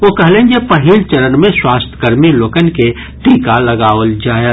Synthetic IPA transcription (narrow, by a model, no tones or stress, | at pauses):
ʋoːkɐɦlẽːnd͡ʒepɐɦilt͡ʃəɾənmẽswaːst̪ʰkəɾmiloːkənke | ʈiːkalɐɡaːʋəld͡ʒaːja